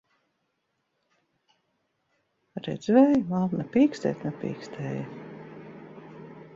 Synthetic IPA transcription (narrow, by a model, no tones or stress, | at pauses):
ɾɛ̰d̪zvɛjvalˠnapʲiːkst̪ɛ̰ːt̪napʲḭːkst̪ʰɛːja